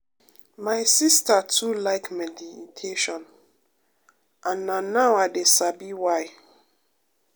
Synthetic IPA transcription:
maɪsistatʰulaɪkmɛditʰeʃɔ̃n | ʔãnːãnːawadesabiwaj

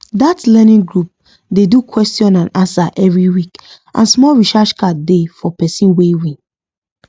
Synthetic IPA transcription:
datlɛnĩŋɡɹup̚ | dedukʰwɛstjɔ̃nãnãnsaʔɛvɹiwik | ʔã̰nsmɔlɹiʃaʃkadefɔpɛsĩnwewĩn

